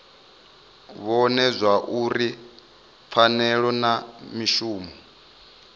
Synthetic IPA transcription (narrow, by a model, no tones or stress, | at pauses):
βɔnɛzʷaʔuɾi | p̪fʰanɛɺɔnamiʃuːmɔ